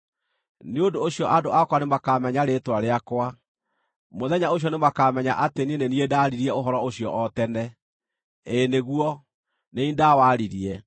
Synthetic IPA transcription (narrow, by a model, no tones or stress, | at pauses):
neondoːɕjɔʔadoʔakwanemakamɛɲaɾetwaɾeakwa | moðɛɲaoɕ̬jɔnemakamɛɲa̰ʔatenieneniedaːɾiɾiɛoɦɔɾɔoɕijɔ̰ʔɔtɛnɛ | eneɣuɔ | neindawaɾiɾiɛ